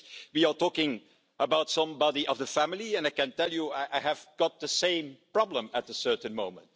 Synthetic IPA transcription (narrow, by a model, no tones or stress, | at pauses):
wiə˞tɔkɪ̃ŋ | ʔəbaʊtsʌ̃mbɑdiʔʌvðəfæmɪliɨ̃naɪkɨ̃ntɛlˠjuaɪʔaɪhɨv̥ɡ̥ɑt̪̚ðəsẽɪ̃mpɹ̥ɑblə̃mət̪̚ðəsɜ˞tə̃nmõʊ̃mə̃nt̚